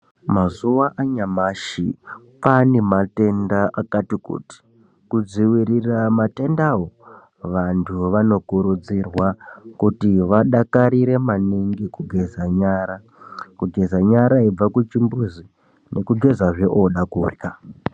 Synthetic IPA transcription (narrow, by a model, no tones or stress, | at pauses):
mazuʋaʔaɲamaʃḭ | panemate̞ndaʔakatikṵti̥ | kud͡ziwiɾiramate̞ndawo | ʋantʰuʋano̞kuɾud͡zirwakutiʋaɗakaɾiɾe̞maniŋɡikuɡʱe̞zaɲaɾa | kuɡʱe̞zaɲaɾaib͡vakut͡ʃimbuzi | nʔe̞kuɡʱe̞zaʐe̞ʔoɗakurka